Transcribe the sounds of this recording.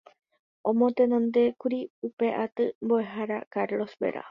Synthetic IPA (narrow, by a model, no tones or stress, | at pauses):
ʔõmot̪enõnd̪e̞kuɾiupe̞ʔat̪ɨmboe̞ɦaɾakaɾlo̞sbe̞̰ɾa̰